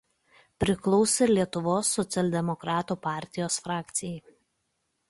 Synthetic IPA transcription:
pʲɾʲɪklˠɔʊsʲɪlʲiɛt̪ʊʋoːsːɔt̪sʲɛlʲd̪ʲɛmɔkɾɑːt̪uːpɑːˑɾʲt̪ʲɪjoːsfɾɑːkt̪sʲɪjɛɪ

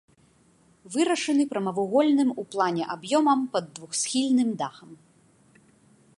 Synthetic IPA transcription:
vɨɾɐʂɐnɨpɾɐmɐvuɣɔlʲnɨmuplˠanʲɛʔabjɔmɐmpɐd̪ːvuxsʲxʲilʲnɨmd̪axɐm

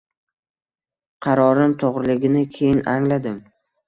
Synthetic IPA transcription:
qʰɑɾɒɾɪmt̪ʰoʁɾɪlɪɡʲɪnɪkʲʰe̞jɪnʔaŋlad̪ɪm

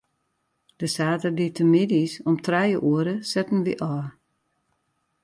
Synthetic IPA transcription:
d̥əsaːtərditʰəmɪdisɔmtrɛjəʔuəɾəsɛtn̩ʋiʔɔ

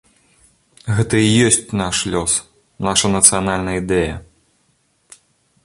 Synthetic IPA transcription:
ɣɛt̪ɐijɔsʲt͡sʲnaʂlʲɔs | naʂɐnɐt̪sɨjanalʲnɐid̪ɛjɐ

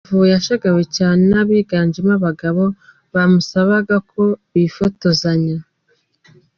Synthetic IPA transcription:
vujaʃaɡawecaːnenaβiːɡaːɲd͡ʒemaβaɡaβo̞ | βamusaβaɡakʰo̞βifoto̞zaɲa

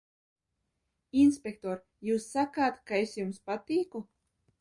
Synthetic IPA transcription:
inspʲek̚t̪ɔːɾ | juːsːakaːt̪kaesjumspat̪iːku

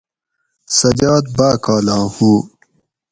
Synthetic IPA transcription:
sɐd͡ʑɑːd̪̚baːkaːlãːhũː

